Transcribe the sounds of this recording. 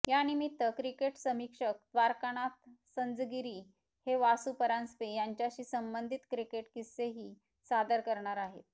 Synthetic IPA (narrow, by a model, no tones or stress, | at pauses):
janimit̪ːəkɾikeʈsəmikʂək̚d̪ʋaɾkaɽ̃at̪sənd͡zɡiɾiː | heʋasupəɾanspejaɲt͡ɕjaɕiːsəmbənd̪ʱit̪kɾikeʈkiseɦiː | sad̪əɾkəɾɳaɾaɦḛt̪̚